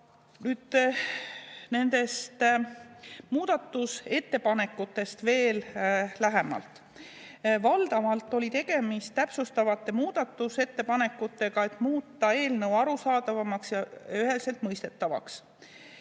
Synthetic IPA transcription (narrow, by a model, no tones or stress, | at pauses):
nyːd̪̥ | ne̞nd̪e̞st̪ | muːd̪̥ɑt̪ːˑuse̞t̪ːe̞pɑne̞kːˑut̪ːˑe̞st̪ve̞ːllæɦemɑ̰lt̪ˑ | vɑld̪ɑmɑlt̪ːˑo̞lʲit̪e̞ɡ̥e̞mist̪t̪ːæpsust̪ɑvɑt̪ːˑe̞muːd̪̥ɑt̪ːˑuse̞t̪ːe̞pɑne̞kːˑut̪ːˑe̞ɡ̥ɑe̞t̪ːˑmuːt̪ːˑɑe̞ːlnɤwɑɾusɑːd̪ɑvɑmɑksjɑyɦe̞lse̞lt̪mɤjst̪e̞t̪ːˑɑvɑ̰ks